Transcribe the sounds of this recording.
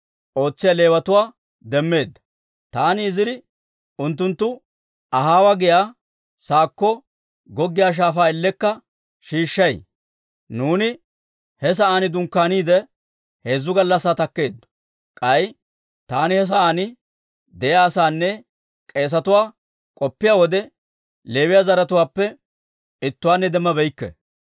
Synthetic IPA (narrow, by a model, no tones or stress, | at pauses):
ʔo̞ːt͡sːɪjale̞ːwɐt̪ʊwaː | d̪ɛmːe̞ːd̪ːɐ̥ | t̪aːnɪːzɪdɪ | ʊnt̪̬ːʊnt̪ːʊ | ʔɐɦaːwaɡɪjaː | saːkːɔ | ɡɔɡːɪjaːʃ̬aːfaːɪlːɛkːɐ | ʃiːʃːɐj | nuːnɪ | hɛs̬ɐaːnɪd̪ʊŋkːaːniːd̪ɛ | he̞ːzːʊɡɐlːɐsːaːt̪ɐkːe̞ːd̪ | kʼɐj | t̪aːnɪhɛs̬ɐʔaːnɪ | d̪ɛjaːsaːnːɛ | kʼe̞ːs̬ɐt̪ʊwaː | kʼɔpːɪjaːwɔd̪ɛ | le̞ːwɪjaːzɐɾɐt̪ʊwaːpːɛ | ɪt̪ːʊwaːnːɛd̪ɛmːɐbɛjkːɛ̰